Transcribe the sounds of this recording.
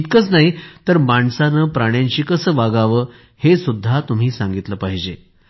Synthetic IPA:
t̪kət͡snaɦit̪əɾmaɳsanəːpɾaɽ̃jãɲt͡ɕiːkəsəːʋaɡaʋəː | hesud̪ʱːat̪um̤iːsãŋɡit̪ləpaɦid͡ʑe

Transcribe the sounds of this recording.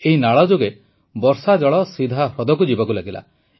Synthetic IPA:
eɦinaɭɔd͡ʒoɡe | bɔɾsad͡ʒɔɭɔsid̪ʱaɾɔd̪ɔkud͡ʒibɔkulaɡila̰

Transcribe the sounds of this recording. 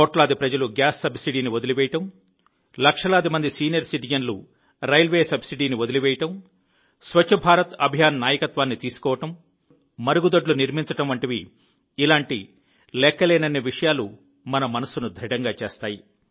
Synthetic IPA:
t̪ɔːʈlaːd̪ipɾɐd͡ʒɐluɡaːsːɐbsiɖiːniʋod̪uliʋɛːjɐʈɐm | lɐkʂɐlaːd̪imɐnd̪isiːnijɐɾsiʈid͡ʒɐnlṵ | ɾɐjlʋeːsɐbsiɖiːniʋod̪iliʋɛːjɐʈɐm | sʋɐt͡ʃʰːɐbʱaːɾɐt̪ɐbʱjaːnːaːjɐkɐt̪ʋaːnːit̪iːsu̥kɔːʋɐʈɐm | mɐɾuɡud̪oɖluniɾmiɲt͡ʃɐʈɐmʋɐɳʈɐʋi | ilaːɳʈi | lɛkːɐleːnɐnːeʋiʂɐjaːlu | mɐnɐmɐnɐsunud̪ʱɾiɽɐŋɡaːt͡ʃeːst̪aːji

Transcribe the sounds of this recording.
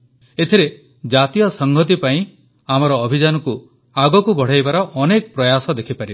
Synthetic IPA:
et̪ʰiɾe | d͡ʒat̪ijɔsɔŋɡʱɔt̪̬ipaĩ | amɔɾɔːbʱid͡ʒanɔku | aɡɔkubʱɔɽ̤ajbaɾɔʔɔnekɔpɾɔjasɔd̪ekʰipaɾib

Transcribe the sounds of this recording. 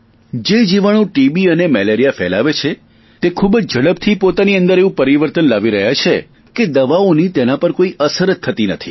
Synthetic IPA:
d͡ʒed͡ʒiʋaɽ̃ũʈibiənemɛleɾijafɛla̰ʋet͡ʃʰe | t̪ekʰubəd͡ʒd͡ʒəɽəbt̪ʰipot̪aniə̃nd̪əɾeʋũpəɾiʋəɾt̪ənlaʋiɾəɦjat͡ʃʰe | ked̪əʋaonit̪enapəɾkoiʔəsəɾət̪ʰːət̪inət̪ʰḭ

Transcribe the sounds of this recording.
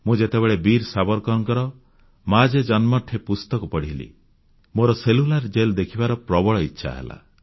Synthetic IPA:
mũd͡ʒet̪ebeɭebiɾsabɔɾkɔɔŋkɔɾɔ | mad͡ʒed͡ʒɔnmɔʈʰːepust̪ɔkupɔɽiɦlḭ | moɾɔselulaɾd͡ʒeld̪ekʰibaɾɔpɾɔbɔɭɔitːʃʰa̰ɦḛla̰

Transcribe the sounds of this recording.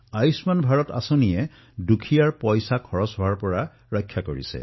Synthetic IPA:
ajsmanbʱaɹɔta̰sonijɛ | dukʰijaɹpɔjsakʰɔɹɔsɦɔwaɹpɔɹa | ɹɔjkʰːjakoɹḭsɛ̰

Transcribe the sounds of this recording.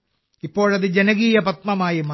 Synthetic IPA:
ipːo̞ːɻɐðɨd͡ʑenɐɣiːjɐpɐt̪̚mɐmaːjima

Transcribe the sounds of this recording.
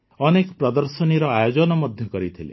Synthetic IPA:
ɔnekɔpɾɔd̪ɔɾsɔniɾɔajod͡ʒɔnɔmɔd̪ʱjɔkɔɾit̪ʰilḛ

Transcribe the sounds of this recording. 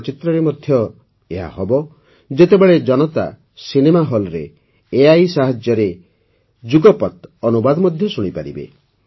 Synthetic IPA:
t͡ʃit̪ɾɔɾemɔd̪ʱjɔ | eɦa̰hɔbɔ | d͡ʒet̪ebeɭed͡ʒɔnɔt̪a̰ | sinemaɦɔlɾeː | ajsaɦad͡ʒjɔɾe | d͡ʒuɡɔpɔt̪ɔnubad̪ɔmɔd̪ʱjɔsuɽ̃ipaɾḭbḛ

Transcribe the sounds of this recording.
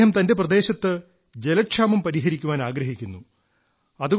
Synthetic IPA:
ɦɐmt̪ɐnde̞prɐd̪e̞ːɕɐt̪ːɨ | d͡ʑe̞lɐʈʂaːmɐmpɐɾiɦɐɾikʲːuʋaːnaːɡɾɐɦikʲːunːu | ɐðuɣ

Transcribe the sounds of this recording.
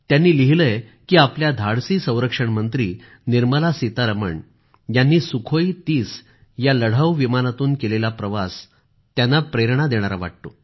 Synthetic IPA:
t̪janːiːliɦiləj | kiːapljad̪ʱaɽsiːsə̃w̃ɾəkʂəɳmənt̪ɾiː | niɾməlasit̪aɾəmə̰ɳ | janːiːsukʰojt̪iːs | jaləɽ̤əʋʋimanat̪uːnkelelapɾəʋas | t̪janːapɾeɾɳad̪eɽ̃aɾaʋa̰ʈ̚t̪o

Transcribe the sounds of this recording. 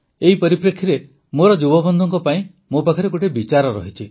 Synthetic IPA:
eɦipɔɾipɾekʰːiɾe | moɾɔd͡ʒubɔbɔnd̪ʱɔŋkɔpaĩ | mopakʰɔɾeɡoʈebit͡ʃaɾɔɾɔ̰ɦit͡ʃʰi

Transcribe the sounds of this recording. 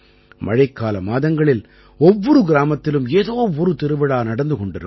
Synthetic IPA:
mʔɐ̰ɻɐɪkːaːlɐmaːðɐŋɡɐɭɪl | ɔʋːɔɾɯɡɪɾaːmɐt̪ːɪlɯmeːðoːɔɾɯt̪ɪɾɯʋɐɽaːnɐɽɐnd̪ɯkɔɳɖɪɾɯ

